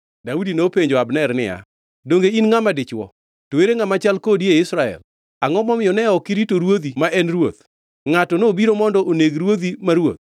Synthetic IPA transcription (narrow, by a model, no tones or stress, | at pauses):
daudinopeɲd͡ʒoabnɛɾnɪ̰ja̰ | doŋɡeinŋamadɪt͡ʃwɔ̰ | toweɾeŋamat͡ʃalkodieɪsɾaɛ̰l | aŋɔmɔmɪjɔnɛɔkiɾitoɾwod̪imaʔɛnrwo̰t̪ | ŋatɔnobiɾomɔndɔʔoneɡɾwod̪imaɾwo̰t̪̚